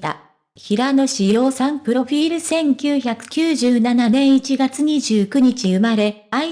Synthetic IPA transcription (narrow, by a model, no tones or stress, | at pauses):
a̰ | çiɾano̞ɕijo̞ːsãmpɯ̟ɾo̞ɸʲiːɾɯ̟sẽ̞ŋkʲɨːçakɯ̟̥kʲɨːʑɨːnananẽ̞ɰ̃it͡ɕiɡat͡sɨɲ̟iʑɨːkɯ̟ɲ̟it͡ɕiɯ̟maɾe̞ | ai